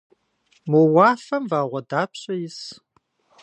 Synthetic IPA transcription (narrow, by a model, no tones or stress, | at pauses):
mowaːfɐmvaːʁʷɔdaːpɕʼɐjɪs